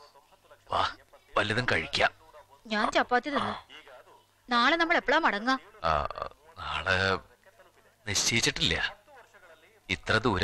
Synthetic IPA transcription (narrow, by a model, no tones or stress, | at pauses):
ʋa̰ːʋɐlijɐðɐnkɐɻikʲːaːɲaːnt͡ɕɐpːaːt̪ːjɐðenːɨ | naːɭenɐmːɐɭepːɐɭaːmɐɽɐŋːa̰ː | naːɭɨ | niɕejit͡ɕːiʈːilːɐjɐ̰ | it̪rɐðɨuɾ